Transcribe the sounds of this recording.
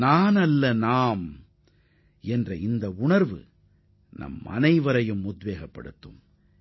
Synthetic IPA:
naːnɐlːɐnaːm | ɛndrɐɪnd̪ɐʊɳɐɾʋɯ̰ | nɐ̰mɐ̰nɐɪʋɐɾɐjɯmʊd̪ʋeːɣɐpːɐ̰ɽɯt̪ːɯm

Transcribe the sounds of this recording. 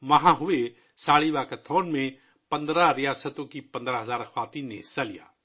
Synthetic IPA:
ʋɐɦãɦʊe | saːɭibaːkɐt̪ʰoːnmẽ | pɐ̃nd̪ɾaɾɪjaːsət̪õkipɐ̃nd̪ɾaɦɐzaːɾɐxʰwaːt̪inḛsɐlija̰ː

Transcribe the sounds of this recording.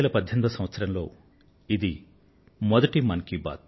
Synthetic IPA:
lɐpɐd̪ʱjɐnd̪ɐsɐ̃mʋɐt̪sɐɾɐmlo̞ː | id̪i | mɔd̪ɐʈimɐnkiba̰ːt̪̚

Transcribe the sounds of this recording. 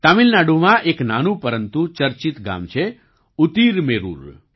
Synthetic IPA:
t̪amilnaɖũʋaʔeknanupəɾənt̪ut͡ʃəɾt͡ʃit̪ɡa̰ːmt͡ʃʰe | ut̪iɾmeɾṵːɾ

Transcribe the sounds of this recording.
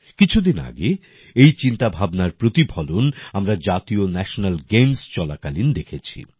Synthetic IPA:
kit͡ɕʰud̪ina̰ɡe | ejt͡ɕint̪abʱabnaɾpɾot̪ibʱɔlonamɾad͡ʑat̪ionɛʃonalɡemst͡ɕɔlakalind̪ekʰet͡ɕʰḭ

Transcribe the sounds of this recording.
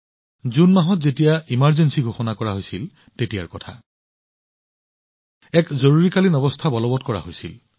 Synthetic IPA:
zunmaɦɔtzetijaimaɹzensiɡʱoxɔnakɔɹaɦojsil | tetijaɹkɔtʰa̰ | ɛkzoɹuɹikalinɔbɔstʰabɔlɔbɔtkɔɹa̰ɦojsḭl

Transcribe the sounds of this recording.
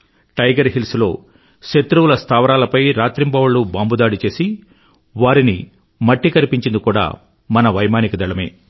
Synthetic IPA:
ʈɐjɡɐɾɦilslo̞̰ː | ʃet̪ɾuwulɐst̪ʰaːʋɐɾaːlɐpɐjɾaːt̪ɾimbɐʋɐɭːubaːmbud̪aːɽit͡ʃe̞ːsi | ʋaːɾini | mɐʈːikɐɾipiɲt͡ʃind̪ukuːɽa̰ː | mɐnɐʋɐjmaːnikɐd̪ɐɭɐme̞̰ː

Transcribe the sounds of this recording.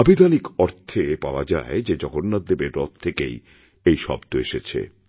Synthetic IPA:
abʱid̪ʱanikɔɾt̪ʰepaoad͡ʑa̰ed͡ʑed͡ʑɔɡonːad̪ːebeɾɾɔt̪̚t̪ʰːekḛj | ejʃɔ̰bt̪oeʃet͡ɕʰḛ

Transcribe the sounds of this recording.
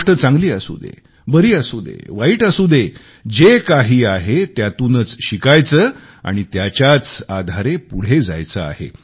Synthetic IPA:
ʈət͡sãŋɡliːasṵd̪ḛ | bəɾiːasud̪ʱḛʋaiːʈəsud̪ʱe | d͡ʑekaɦiːaɦet̪jat̪uːnət͡sɕikajt͡səː | a̰ɽ̃it̪jat͡ɕjat͡sad̪ʱaɾepuɽ̤ed͡za̰jt͡səa̰hḛ

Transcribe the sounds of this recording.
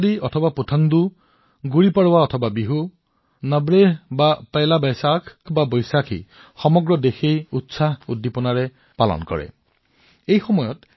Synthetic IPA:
diɔtʰɔbaputʰand̪u | ɡuɹipaɹwaɔtʰɔbabiɦu | nabɹeɦbapajlabajsakʰbabɔjsakʰḭ | xɔmɔɡɹɔdexejutsaɦudːipɔnaɹɛ | palɔ̰nkɔ̰ɹɛ̰ | ejxɔmɔjɔt

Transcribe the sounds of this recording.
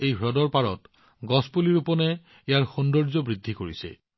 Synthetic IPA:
ejbʱɹɔdɔɹpaɹɔ̰t | ɡɔspuliɹupɔnɛ | ejaɹxundɔɹzɔbɹid̪ʱːikoɹisɛ̰

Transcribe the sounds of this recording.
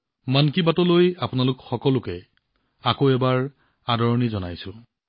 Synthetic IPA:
mankibatɔlojapʊnalʊkxɔkɔlʊkɛ | akoɛbaɹ | adʱɔɹɔnizɔna̰jsʊ̃

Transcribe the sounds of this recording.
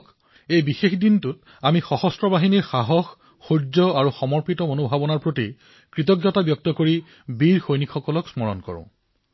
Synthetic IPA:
k | ejbixexdintʊt̚ | amixɔxɔstɹɔbaɦiniɹxaɦɔxː | uɹzɔaɹuxɔmɔɹpitɔonobʱabɔnaɹpɹoti | kɹitɔɡjɔtabjɔk̚tɔkoɹi | biɹxojnikʰxɔkɔlɔksmɔɹɔ̰nkɔ̰ɹʊ̰̃

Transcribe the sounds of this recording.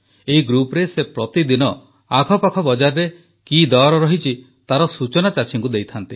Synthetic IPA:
eɦiɡɾupɾesepɾɔt̪id̪inɔ | aɡʰʱɔpakʰɔbɔd͡ʒaɾɾe | kid̪ɔɾɔɾɔɦit͡ʃʰi | t̪aɾɔsut͡ʃɔnat͡ʃat͡ʃʰiŋkud̪ejt̪ʰant̪i

